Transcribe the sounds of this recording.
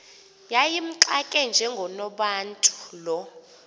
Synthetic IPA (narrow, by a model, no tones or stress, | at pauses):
jajim̩ǃakʼɛnd͡ʒʱɛŋɡʱɔnɔɓantʼu̥lɔ